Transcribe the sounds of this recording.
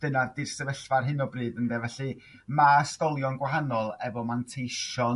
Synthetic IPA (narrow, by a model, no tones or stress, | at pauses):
d̥ənardɪrsəvəɬvarɦɨnɔbrɨːdəndɛvɛɬɨ | maskɔlˠjɔnɡwaɦanɔlˠɛvɔmantʰejʃɔ